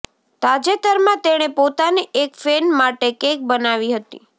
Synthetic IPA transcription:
t̪ad͡ʒet̪əɾmãt̪eɽ̃epot̪aniʔekfenmaʈekẽk̚bənaʋiɦət̪ḭ

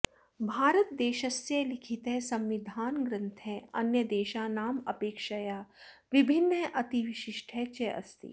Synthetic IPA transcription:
bʱaːɾət̪̚d̪eːʃɐsːelɪkʰit̪ɦɛsɐ̃mʋid̪ʱaːnɡɾɪ̃nt̪ʰɛɐnjəd̪eːʃaːnaːmɐpeːkʃɐjaːʋɪbʱɪnːeʔɐt̪iʋɪʃɪʃʈʰɛt͡ʃeʔɐ̰st̪ḭ

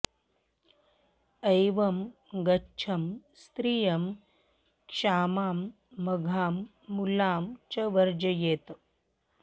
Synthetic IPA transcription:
ɐjʋɐm | ɡɐtːt͡ʃʰɐmst̪ɾijɐm | kʂaːmaːmː | ɐɡʱaːmː | ulaːmt͡ʃɐʋɐɾd͡ʒɐjeːt̪

